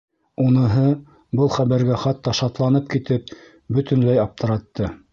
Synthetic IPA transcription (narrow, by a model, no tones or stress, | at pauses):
unɤ̆ɦɤ | bɤlˠχæβæɾɡæχɑt̪ːɑʃɑt̪lˠɑnɤp̚kit̪ɘp̚ | bɵt̪ɵ̆nlæjɑp̚t̪ʰɤ̆ɾɑt̪ːɤ